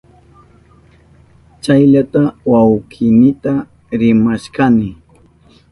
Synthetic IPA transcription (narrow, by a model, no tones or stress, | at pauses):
t͡ʃajʎat̪awawkʰɪnɪt̪a | ɾɪmaʃkanɪ